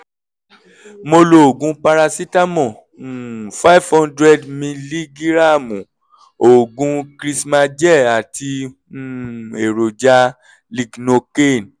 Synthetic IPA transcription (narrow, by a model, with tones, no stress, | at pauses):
mo˧lo˦˨o˨ɡũ˨˦pa˧ɾa˧si˦ta˦mɔ̃˦˨ | fa˦i˦˨vhɔ̃˦ndɾɛ˦dmĩ˧li˦ɡi˦ɾa˦˨mũ˨ | o˨ɡũ˨˧kɾi˦˧sma˧d͡ʒɛ˦˨a˨tʰi˧˦ | e˨ɾo˨d͡ʒa˧ | li˧ɡno˧ke˦˨n